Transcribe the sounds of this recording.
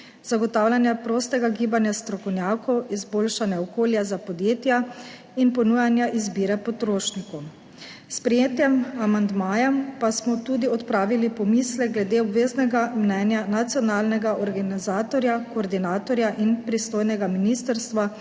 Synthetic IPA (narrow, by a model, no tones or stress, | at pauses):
z̥aɡɔt̪aːwlʲanjapɾoːst̪ɛɡaɡiːbanjast̪ɾɔkɔwnʲjaːkɔwizboːlʃanjaɔkoːljazapɔd̪jeːt̪ja | inpɔnujanjaʔizbiːɾɛpɔt̪ɾoːʃnikɔw | spɾɛjeːt̪jɛmamand̪maːjɛmpasmɔt̪uːd̪iɔt̪pɾaːʋilipɔmiːslɛɡlɛd̪eɔbʋeːznɛɡamnɛːnjanat̪sjɔnaːlnɛɡaʔɔɾɡanizaːt̪ɔɾjakoːɾd̪inaːt̪ɔɾjaʔinpɾist̪oːjnɛɡaminiːst̪ɛɾst̪ʋa